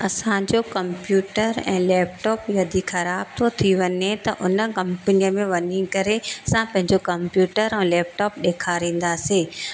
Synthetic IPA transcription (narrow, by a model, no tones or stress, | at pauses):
ɐsãd͡ʑokɐ̃mpjuːʈəɾɛ̰̃ːlɛːp̚ʈɔːpjɐd̪ʱixɐɾaːb̚t̪ʰot̪ʰiʋɐɲet̪ɐʔʊnəkɐ̃mpənijəmẽʋɐɲikɐɾesãpɐ̃ɦɪ̃ɲd͡ʑokɐ̃mpjuːʈəɾɛ̃ːlɛːp̚ʈɔːp̚ɗeːkʰaɾĩːn̆d̪aːseː